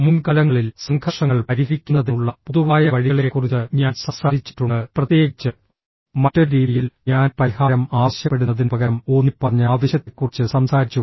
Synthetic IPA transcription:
munkɐlɐŋːɐɭilsɐŋkʰɐʂɐŋːɐɭpɐɾifikʲːunːɐðiuɭːɐpuðuʋaːjɐʋɐɻiɐɭiɾekːurit͡ɕːɨɲaːnsɐmsaːɾit͡ɕːi̥ʈːuɳɖɨprɐt̪je̞ːɡit͡ɕːɨ | mɐtːoɾɾiːðijilɲaːnpɐɾihaːɾɐmaːɕjɐpːe̞ɽunːɐðinɨpɐɣɐɾɐmo̞ːnːipːɐrɐɲːaːʋɐɕjɐt̪ːekːurit͡ɕːɨsɐmsaːɾit͡ɕːu

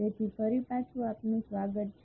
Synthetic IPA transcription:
et̪ʰifəɾipat͡ʃʰuapnũsʋaɡət̪̚t͡ʃʰ

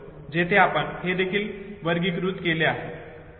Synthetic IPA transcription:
d͡ʑet̪ʰeapəɳhed̪ekʰiːlʋəɾɡiːkɾuːt̪keleaɦe

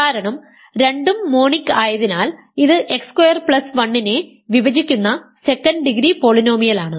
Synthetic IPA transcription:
aːɾɐɳɐm | ɾe̞ɳɖumːo̞ːɳikːaːjɐðinaːl | iðɨʔe̞kskwɐjɐrpɭɐsʋɐɳːine̞ | ʋiʋɐd͡ʑikʲːunːɐse̞kːɐnɖɨɖiɡɾipo̞ɭino̞ːmijɐlaːɳɨ

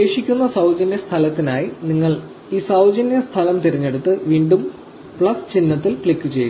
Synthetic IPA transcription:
eːʂikʲːunːɐsɐwd͡ʑɐnjɐst̪ʰɐlɐt̪ːinaːjiniŋːɐɭ | iːsɐwd͡ʑɐnjɐst̪ʰɐlɐmt̪iɾiɲːe̞ɽut̪ːɨʋiːɳɖum | pɭɐst͡ɕinːɐt̪ːilpɭikːɨt͡ɕeju

